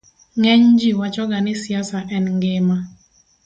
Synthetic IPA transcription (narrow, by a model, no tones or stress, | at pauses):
ŋɛɲd͡ʒiwat͡ʃɔɡanɪsiasaʔɛnŋɡɪma